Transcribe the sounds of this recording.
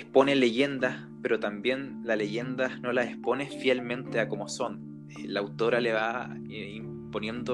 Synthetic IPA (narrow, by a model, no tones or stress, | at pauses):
spo̞neleʝe̞nd̪as | peɾot̪ambje̞nlale̞ʝe̞nd̪ano̞laespo̞nefjelmẽ̞nt̪eako̞moso̞n | laːwt̪o̞ɾale̞βa | eim | po̞nje̞nd̪o